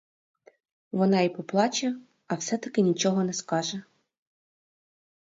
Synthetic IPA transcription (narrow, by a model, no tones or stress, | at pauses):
ʋɔnɑipɔplˠɑt͡ʃʲɐ | ɐwsɛt̪ɐkɪnʲit͡ʃɔɦɔnɛskɑʒɛ